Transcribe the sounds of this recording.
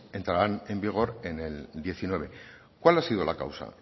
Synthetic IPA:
e̞nt̪ɾaɾane̞mbiɣ̞o̞ɾe̞neld̪je̞θinwe̞β̞e̞ | kwalasiðolaka̰wsa̰

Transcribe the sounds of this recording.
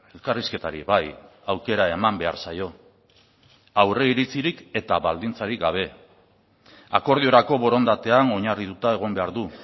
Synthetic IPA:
e̞lkariske̞t̪aɾḭβajawke̞ɾae̞mambe̞a̰ɾsajo̞ | awre̞iɾit͡siɾike̞t̪aβald̪int͡saɾikɡaβ̞e̞ | ako̞ɾð̞io̞ɾako̞βo̞ɾo̞nd̪at̪e̞ano̞ɲarit̪ut̪aeɣ̞o̞mbe̞aɾðu

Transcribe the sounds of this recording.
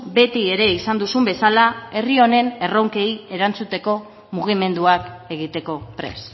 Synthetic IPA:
be̞t̪ie̞ɾe̞isand̪usumbe̞salae̞rio̞ne̞ne̞rowŋke̞ie̞ɾant͡sut̪e̞ko̞ | muɣ̞ime̞nd̪uake̞ɣ̞it̪e̞ko̞pɾe̞̰s

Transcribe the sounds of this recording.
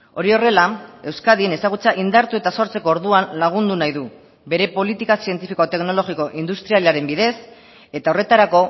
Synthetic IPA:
oɾio̞re̞lae̞wskaðie̞ne̞saɣ̞ut͡saʔind̪aɾt̪ue̞t̪aso̞ɾt͡se̞ko̞oɾðuanlaɣ̞und̪unajðu | be̞ɾe̞po̞lit̪ikasie̞nt̪ifiko̞t̪e̞kno̞lo̞ɣiko̞ʔind̪ust̪ɾialeaɾe̞mbiðe̞s | e̞t̪ao̞re̞t̪aɾako̞

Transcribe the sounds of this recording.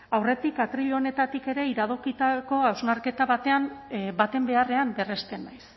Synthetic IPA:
awre̞t̪ikat̪ɾiʎo̞ne̞t̪at̪ike̞ɾe̞iɾað̞okit̪ako̞awznaɾke̞t̪aβat̪e̞ambat̪e̞mbe̞are̞ambe̞re̞st̪e̞najs

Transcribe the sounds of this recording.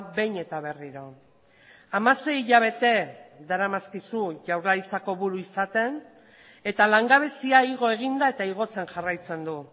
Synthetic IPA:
be̞jɲe̞t̪aβe̞riɾo̞ | amase̞jiʎaβ̞e̞t̪e̞ðaɾamaskisuʝawɾlaɾit͡sako̞βuɾuisat̪e̞n | e̞t̪alaŋɡaβ̞e̞siaiɣo̞e̞ɣ̞ind̪ae̞t̪aiɣ̞o̞t͡se̞ŋʝarajt͡se̞nd̪u

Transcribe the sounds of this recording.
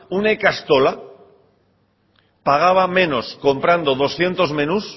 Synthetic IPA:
unekast̪o̞la | paɣ̞aβamẽ̞no̞sko̞mpɾand̪o̞ð̞o̞sθje̞nt̪o̞zmẽ̞nus

